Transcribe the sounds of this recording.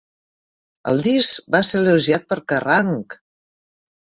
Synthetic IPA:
ə̰lˠd̪isbaseɾləʒiat̪̚pəɾkəraŋk

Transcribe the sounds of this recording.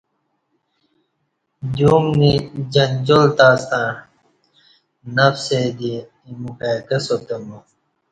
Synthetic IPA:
duːmnid͡ʑɐnd͡ʑolt̪aːst̪ã | nɐfsed̪i | mukak̪ɐsot̪ɐmu

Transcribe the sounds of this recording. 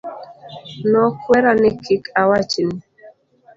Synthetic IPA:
nɔkwɛɾanɪkʰikʰawat͡ʃni

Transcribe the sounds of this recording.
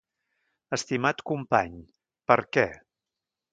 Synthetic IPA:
əst̪imat̪kumpaɲ | pəɾkɛ

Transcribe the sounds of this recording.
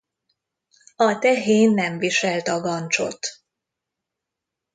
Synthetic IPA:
ɒt̪ɛɦeːnːɛɱviʃɛlt̪ɒɡɒnt͡ʃo̞̰t̪

